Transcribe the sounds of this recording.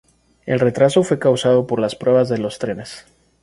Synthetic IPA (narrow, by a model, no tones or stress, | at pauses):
e̞̰lre̞t̪ɾaso̞fwe̞kawsað̞o̞po̞ɾlaspɾwe̞βazðe̞lo̞st̪ɾe̞ne̞s